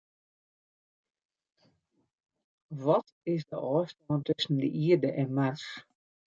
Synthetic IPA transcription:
ʋɔt | ɪsdə̰ʔɔːstɔːntɵsən̩də̰ʔiərdəʔɛnmars

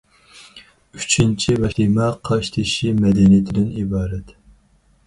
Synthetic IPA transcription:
y̥t͡ʃʰint͡ʃʰivɛimɛqʰɑʃt̪ʰiʃimɛd̪ɛnijit̪ʰɪd̪ɪnibɑːɾɛt̪

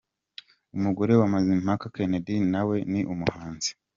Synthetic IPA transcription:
umuɡoɾe̞wamazim̥hakakenedinawe̞niʔumuhaːnzi̥

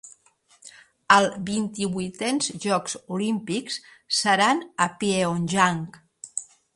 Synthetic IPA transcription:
əlˠβint̪iβujt̪ɛnzʒɔkzulimpikssəɾanəpieonʲʒaŋk

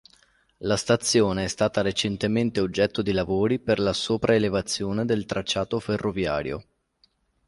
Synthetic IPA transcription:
last̪at̪sːjoːneɛst̪aːt̪aɾet͡ʃent̪ement̪eod͡ʒːɛt̪ːod̪ilavoːɾiperlasoːpɾʔaelevat̪sːjoːned̪elt̪ɾat͡ʃːaːt̪oferːʔovja̰ːɾjo̰

